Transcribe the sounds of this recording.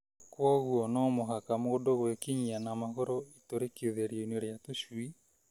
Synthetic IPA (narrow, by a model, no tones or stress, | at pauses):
kwɔɣuɔnɔmoɦakamoodoɣwekiɲianamaɣoɾoitoɾekioðeɾioineɾeatoʃui